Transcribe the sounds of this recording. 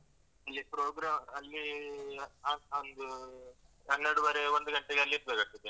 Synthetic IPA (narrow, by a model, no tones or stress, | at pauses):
ɐlːipɾoːɡɾaːmɐlːi | aond̪u | ɐnːeɾɽuʋɐːɾeʋond̪uɡɐɳʈeɡeɐlːiiɾ̚beːkɐt̪id̪ːe